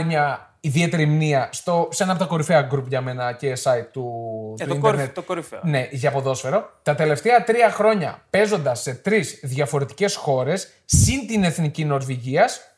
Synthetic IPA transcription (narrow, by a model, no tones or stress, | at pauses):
ɲɐ | iðie̞t̪e̞ɾɐimniɐst̪oseenɐp̬ot̪ɐko̞ɾifeɐɡɾupʝɐme̞nɐcesɐit̪ːut̪uineɾnt̪ɾne̞ʔʝɐːpo̞ðo̞sfe̞ɾo̞t̪ɐt̪e̞le̞ft̪eɐt̪ɾiɐxɾo̞ɲɐ̰pe̞zo̞nd̪ɐsːe̞t̪ɾizðʝɐfo̞ɾe̞t̪i̥ce̞sxo̞ɾe̞sː | int̪ine̞θnicino̞ɾviʝiɐs